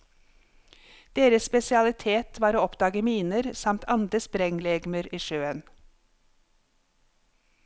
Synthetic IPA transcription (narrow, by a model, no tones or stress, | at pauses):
d̪̥eːɾəsspɛsɪɑlɪt̪ʰeːt̪ʰʋɑːɾoːɔpd̪ɑːɡəmiːnəɾsɑmt̪ʰɑnd̪ɾəspɾɛŋlɛːɡməɾiːʃøːən